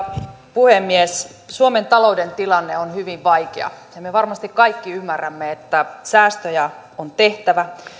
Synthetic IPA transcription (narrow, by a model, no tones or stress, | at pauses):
puhemːies | suome̞nt̪ɑlo̞udent̪ilɑnːeonhyʋiʋʋɑjkḛɑ̰jɑmeʋɑrmɑst̪ikkɑikːiymːærːæmːeet̪ːæsæːst̪øjæ | ont̪e̞ht̪æʋæ